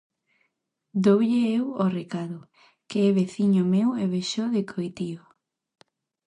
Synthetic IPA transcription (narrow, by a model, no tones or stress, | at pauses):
d̪owʎeeworekaðʊ | keɛβeθiɲomeweβeʃoðekʰojt̪io